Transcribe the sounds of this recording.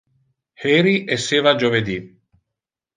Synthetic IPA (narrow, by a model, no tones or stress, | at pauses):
hɛɾiʔesːeːvad͡ʒoved̪i